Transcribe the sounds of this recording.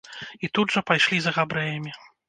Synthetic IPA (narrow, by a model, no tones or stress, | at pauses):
it̪ud̪ʐɐpajʂlʲizɐɣabɾɛjɐmʲi